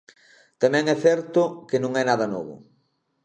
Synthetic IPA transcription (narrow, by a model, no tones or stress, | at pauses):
t̪amɛ̃ŋɛθɛɾt̪ʊkɪnõŋɛnaðɐnɔ̰βʊ̰